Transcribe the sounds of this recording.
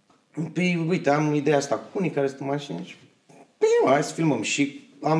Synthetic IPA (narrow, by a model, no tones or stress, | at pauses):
piujt̪eamid̪ejaast̪akunikaɾest̪unmaʃinet͡ʃ | peasfilməmʃik | am